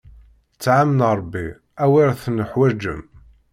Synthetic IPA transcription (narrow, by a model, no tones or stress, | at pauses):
t͡sːʕamnɾˤbːi | æwiɾθnəħwæd͡ʒːə̰m